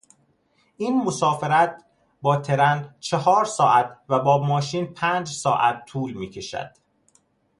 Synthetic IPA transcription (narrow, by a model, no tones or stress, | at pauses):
ʔiːnmosɒːfeɾæt̪̚ | bɒːt̪ʰe̞ɾænt͡ʃʰehɒːɾsɒːʔæt̪væbɒːmɒːʃiːnpʰæːnd͡ʒsɒ̰ːʔæt̪ʰːuːlmiːcʰe̞ʃæ̰d̪̥